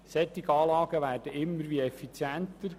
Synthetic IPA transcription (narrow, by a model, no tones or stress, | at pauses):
sɛt̪ːɪɡɑːlɑːɡəʋæːrdəɪmːəɾʋiɛfit͡sjænt̪əɾ